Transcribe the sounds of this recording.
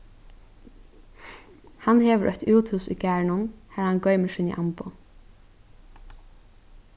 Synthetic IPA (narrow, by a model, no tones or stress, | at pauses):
hanheːʋəʔœ̰çt̪uːt̪hʉːsṵɡæːɹɳʊnhæhanɡœʏmɪsɪnḭʔampʊ